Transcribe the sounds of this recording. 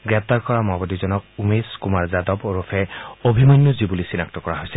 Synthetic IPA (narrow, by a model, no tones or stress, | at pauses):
ɡɹɛp̚t̪aɹkɔɹamabɔdizɔnɔk̚umeskumaɹzadɔboɾufʰɛobʱimɔjnːɔzibulisinak̚tɔkɔɹaɦojsɛ